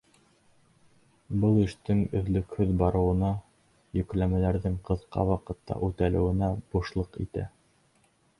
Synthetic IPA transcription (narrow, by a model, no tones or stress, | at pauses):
bɤlˠĭʃt̪ɘŋɵ̆ðlɵ̆khɵðbɑɾɤ̆wɤ̆nɑ | jɵ̆klæmælæɾðɘŋqɤ̆ðqɑ̰wɑqɤ̆t̪ːɑ̰ʔʉt̪ælɘ̆wɘ̆næb̥uʃlˠɤqḭt̪æ̰